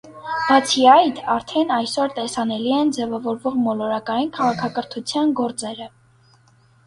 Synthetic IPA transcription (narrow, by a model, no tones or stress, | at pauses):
b̥ɑt͡sʰiɑjt̪ʰɑɾt̪ʰɛnɑjsɔɾt̪ɛsɑnɛliɛnd͡zɛvɑvɔɾvɔʁmɔlɔɾɑkɑjinkʰɑʁɑkʰɑkəɾt̪ʰut͡sʰjɑnɡɔɾt͡sɛɾə